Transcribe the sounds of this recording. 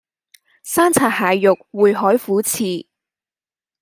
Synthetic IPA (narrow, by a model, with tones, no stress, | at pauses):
saː˥nt͡sʰaː˨˩t̚haː˨jjʊ˨k̚wuː˨jɦɔː˨˥jfuː˨˥t͡sʰiː˨˩